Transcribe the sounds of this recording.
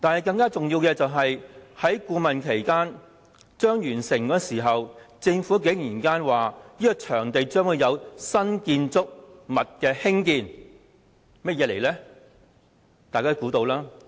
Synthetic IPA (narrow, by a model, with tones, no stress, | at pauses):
t̪aː˨nhɐ˨˩jkɐ˧ŋkaː˥t͡sʊ˨ŋjiː˧wkɛː˧t͡sɐ˨wɦɐ˨jhɐ˨˥jkuː˨˧mɐ˨nkʰe˨˩jkaː˥n | t͡ʃœː˥ŋjyː˨˩nsɪ˨˩ŋkɔː˧˥siː˨˩ɦɐ˨wt͡sɪ˧ŋfuː˨˥k̬e˨˥ŋjiː˨˩nkaː˥nwaː˨˩jiː˥kɔ˧t͡ʃʰœː˨˩ŋt̪e˨jt͡ʃœː˥ŋwu˨˧jɐ˨˧wsɐ˥nkiː˧nt͡sʊ˥k̚mɐ˨t̚kɛː˧hɪ˥ŋkiː˧n | mɐ˥t̚jɛː˨˧le˨˩jlɛ˥ | t̪aː˨jkaː˥kuː˨˥t̪o˧wlaː˥